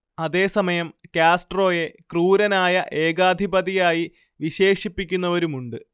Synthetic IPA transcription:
ɐðe̞ːsɐmɐjɐmkʲaːsʈro̞ːje̞kruːɾɐnaːjɐʔe̞ːɡaːd̪ʱibɐðijaːji | ʋiɕe̞ːʂipːikʲːun̪ːɐʋɐɾumuɳɖɨ

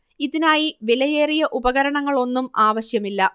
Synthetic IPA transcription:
iðinaːjiʋelɐjeːrijɐʔubɐɣɐɾɐɳɐŋːɐɭo̞nːumaːʋɐɕjɐmilːɐ

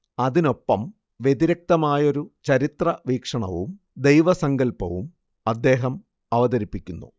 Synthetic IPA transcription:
ɐðino̞pːɐm | ʋje̞ðiɾɐk̚t̪ɐmaːjo̞ɾut͡ɕɐɾit̪rɐʋiːkʂɐɳɐ̰ʋṵm | d̪e̞jʋɐsɐŋɡɐlpɐʋum | ɐd̪ːe̞ːɦɐm | ɐʋɐðɐɾipːikʲːunːṵ

